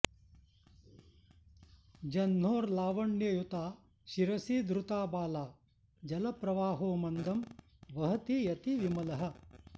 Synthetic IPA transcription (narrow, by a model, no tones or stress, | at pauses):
d͡ʒɐnːoːɾlaːʋɐɳjɐjut̪aː | ʃiɾɐsiːd̪ɾut̪aːbaːlaː | d͡ʒɐlɐpɾɐʋaːɦoːmɐnd̪ɐm | ʋɐɦɐt̪ijɐt̪iʋimɐlɐɦɐ̆